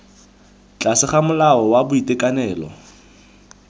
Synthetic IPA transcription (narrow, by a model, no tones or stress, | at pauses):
t͡ɬʼasɪχamʊlaɔwabʊitʼɛkʼanɛːlɔ̰